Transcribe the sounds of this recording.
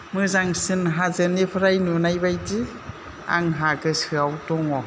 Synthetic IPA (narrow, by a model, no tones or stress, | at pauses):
mɯzaŋsɯnɦazɯnipʰɯɾajnunajbajti | a̰ŋɦaɡɯsɯawtɔŋɔ